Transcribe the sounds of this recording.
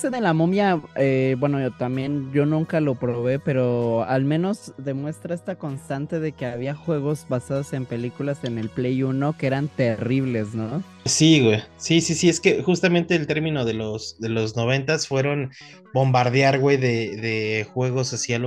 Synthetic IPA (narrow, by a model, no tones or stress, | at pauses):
seðelamomjaebwe̞not̪amje̞nɟ͡ʝo̞nũŋkalo̞pɾo̞βe̞pe̞ɾo̞almẽ̞no̞zðe̞mwe̞st̪ɾaest̪ako̞nst̪ant̪e̞ðe̞ke̞aβiaxwe̞ɣ̞o̞zβasað̞o̞se̞mpe̞likulase̞ne̞lplejuno̞keeɾant̪e̞riβ̞le̞zno | siɣwejsisisie̞ske̞xust̪ament̪e̞ːlt̪e̞ɾmĩno̞ðe̞lo̞sðe̞lo̞zno̞β̞e̞nt̪asfwe̞ɾo̞n | bo̞mbaɾðjaɾɣwe̞jðeðexwe̞ɣ̞o̞sasialo